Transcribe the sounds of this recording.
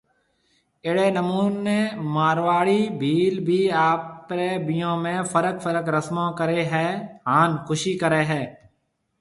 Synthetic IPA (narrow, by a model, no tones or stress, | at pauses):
ɪɽeːnəmuːnːeːmaːɾʋaːɽiːbʱiːlbʱiːaːpɾeːbɪjõːmẽːfʰəɾəkfʰəɾəkɾəsmõːkəɾeːɦɛːɦaːnxʰʊʃiːkəɾeːɦɛː